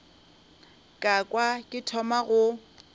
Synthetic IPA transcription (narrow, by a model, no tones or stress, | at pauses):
kʼakʼwakʼɪtʰɔmaɣʊ